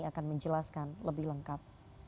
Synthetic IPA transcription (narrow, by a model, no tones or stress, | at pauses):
akanməɲd͡ʒəlaskanləbɪhləŋkap̚